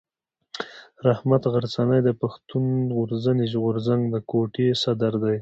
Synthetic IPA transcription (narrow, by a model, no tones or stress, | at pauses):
ɾahmat̪ɣaɾt͡sanajd̪əpaxt̪unɣʊɾzəniʒɣoɾzaŋɡd̪əkoʈesad̪aɾd̪aj